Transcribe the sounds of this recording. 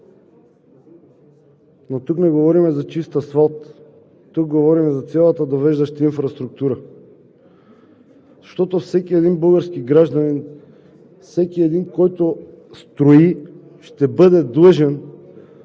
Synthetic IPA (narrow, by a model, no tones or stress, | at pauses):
not̪uknɛɡovɔɾimɛzat͡ʃist̪əsvalˠt̪ː | uk̚ɡovɔɾimɛzat̪sɛlˠat̪ad̪ovɛʒd̪aʃt̪ainfɾast̪ɾuk̚t̪uɾa | zaʃt̪ɔt̪ofsɛkiɛd̪inbɤlˠɡaɾskiɡɾaʒd̪anin | fsɛkiɛd̪inkɔjt̪o | st̪ɾoi | ʃt̪ɛbəd̪ɛd̪lˠəʒɛn